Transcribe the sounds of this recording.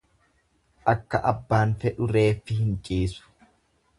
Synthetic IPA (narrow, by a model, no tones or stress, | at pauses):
ʔɐkːɐʔɐbːaːnfɛᶑʊɾe̞ːfːɪhɪnt͡ʃʼiːsʊ̥